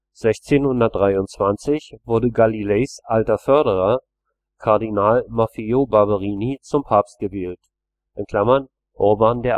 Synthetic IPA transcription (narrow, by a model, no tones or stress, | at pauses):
z̥ɛçt͡seːnhʊndɐt̚d̥ʁaɪʊntt͡sv̥ant͡sɪçvʊɐdəɡalileːsʔaltɐfœɐɾəʁ̞ɐ | kʰaɐdinaːlmafiobabəʁiːnit͡sʊmpʰaːpst̚ɡ̥əveːlt | ʔɪnkʰl̥amɐn | ʔʊɐbaːndeːɐ